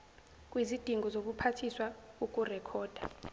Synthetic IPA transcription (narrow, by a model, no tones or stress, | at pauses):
k̬ʼwizid̥ʱiŋɡʱɔzok̬upʰatʰiswauk̬ʼurɛkʰɔːd̥ʱa̰